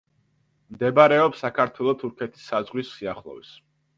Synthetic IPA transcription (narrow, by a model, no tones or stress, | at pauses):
md̪ɛbaɾɛɔpsakʰaɾt̪ʰwɛlˠɔt̪ʰuɾkʰɛt̪ʰi̥sːazʁwisːiaχlˠɔ̰vis